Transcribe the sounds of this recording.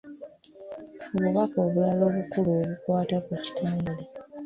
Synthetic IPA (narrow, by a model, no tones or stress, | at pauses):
oβuβako̞ːβulalo̞ːβukuluːβukwaːtakuci̥tʰaːmbule